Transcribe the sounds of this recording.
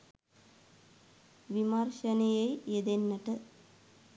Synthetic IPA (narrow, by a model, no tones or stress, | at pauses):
ʋimaɾʃɐnejɐjed̪enːɐʈ̪ə